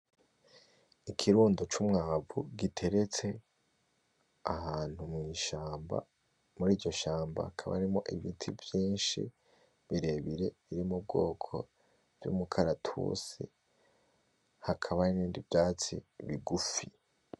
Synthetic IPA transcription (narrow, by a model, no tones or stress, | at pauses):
ikʰiɾuːndo̞t͡ʃumŋaːvuɡitʰe̞ɾe̞t͡se̞ | ahaːn̥humŋiːʃaːmba̰ | muɾiːɾɟo̞ʃaːmba̰hakʰaβa̰ɾimo̞ʔiβitʰivjiːnʃḭ | βiɾe̞βiɾe̞βiɾimub̚ɡo̞ːkʰo̞ | v̥jṵmukʰaɾatʰṵsḭ | hakʰaβaniniːndivjaːt͡sḭβiɡufi